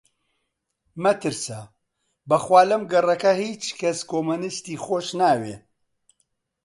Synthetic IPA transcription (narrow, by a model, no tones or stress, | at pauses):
mɐt̪ɨɾsɐ | bɐxwaːlɐmɡɐrˤɐkɐhiːt͡ʃkɐskomunɨst̪iːxoːʃnaːwe